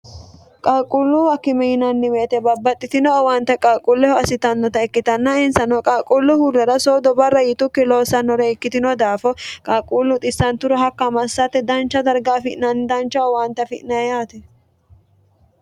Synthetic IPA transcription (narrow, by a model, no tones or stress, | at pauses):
kʼaːkʼʊlːʊwɐkːɪmɛjɪnɐnːɪmeːt̪ɛbɐbːɐt̪ʼːɪt̪ɪnɔːwaːnt̪ɐkʼaːkʼʊlːɛhɔɐsɪt̪ɐnːɔt̪ɐɛkːɪt̪ɐnːɐɪnsɐnɔkʼaːkʼulːʊhulːɛɾɐsoːd̪ɔbɐrːɐjɪt̪ʊkːɛloːsɐnːɔɾɛɪkːɪt̪ɪnɔd̪aːfɔkʼaːkʼulːʊt̪ʼɪsːɐnt̪ʊɾɔɦɐkːɐmɐsːɐt̪ːɛd̪ɐnt͡ʃːɐd̪ɐɾɡaːfɪʔnɐnːɪd̪ɐnt͡ʃːɐɔwaːnt̪ɐfɪ̰ʔnɐjaːt̪ɛ